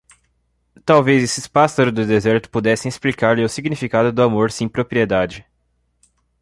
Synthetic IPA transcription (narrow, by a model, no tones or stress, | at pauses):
t̪awvezesɪspasaɾʊd̪ʊd̪ezɛɾt̪ʊ̥pud̪ɛsẽesplikaɾlɪʊsiɡnifikad̪ʊd̪ʊamoɾsẽj̃pɾopɾied̪ad͡ʒɪ